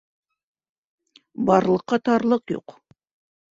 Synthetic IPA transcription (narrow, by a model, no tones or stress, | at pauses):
bɑɾlˠɤ̆qːɑt̪ɑɾlˠɤqjṵq